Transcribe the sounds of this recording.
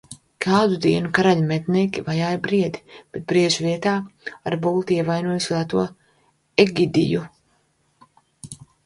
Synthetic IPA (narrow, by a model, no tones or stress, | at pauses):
kʰaːd̪ud̪iɛnukaɾaʎmɛt̪nʲiːkʲivajaːjbɾiɛd̪ib̥et̪̚bɾiɛʒuviɛt̪aːa̰ɾbulˠt̪iɛvajnuɔjuslˠaːt̪uɔ | ɛɡid̪ḭju